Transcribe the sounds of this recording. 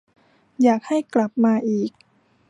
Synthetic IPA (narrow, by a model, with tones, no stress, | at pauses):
jaː˨˩k̚ha˥˩jkla˨˩p̚maː˧ʔiː˨˩k̚